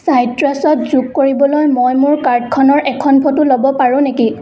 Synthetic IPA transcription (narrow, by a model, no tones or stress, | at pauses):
sajtɹasɔtzukkːoɹibɔlojmojmʊɹkaɹdkʰɔnɔɹʔɛkʰɔnpʰɔtʊlobɔpaɹʊ̃neki